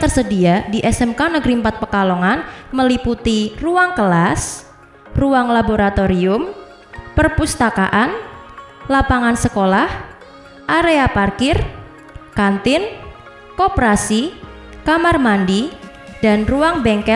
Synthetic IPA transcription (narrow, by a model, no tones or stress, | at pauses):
t̪ərsədiadiʔɛsɛmkanəɡɾimpat̪̚pəkalɔŋanməliput̪iruaŋkəlas | ruaŋlaboɾat̪oɾiʊm | pərpust̪aka̰ʔan | lapaŋansəkolah | ʔaɾeaparkɪr | kant̪ɪn | kɔpɾasi | kamarmandi | d̥anruaŋbɛŋkɛ